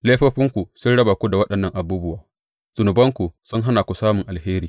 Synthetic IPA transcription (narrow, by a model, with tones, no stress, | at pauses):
leː˦ɸoː˦ɸɪ˦ŋkʷu˨sʊ˦nɽɐ˦baː˨kʷu˦da˨wɐ˦ɗɐ˨nːɐ˦ŋʔa˨buː˦bʊ˦waː˨ | z̥ʊ˨nʊ˨bɐ˦ŋkʷu˨sʊ˦ŋɦa˦naː˨kʷu˨saː˦mʊ˨ŋʔa˨lheː˦ɾiː˨